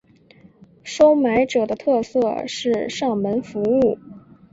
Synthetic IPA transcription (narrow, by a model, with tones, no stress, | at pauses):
ʂo˥ʊma˧˥ɪʈ͡ʂɤ˨˩d̪ə˦t̪ʰɤ˥˧sɤ˥˧ʂɻ̩˥˧ʂɑ˥˩ŋmə˧˥nfu˧˥u˥˩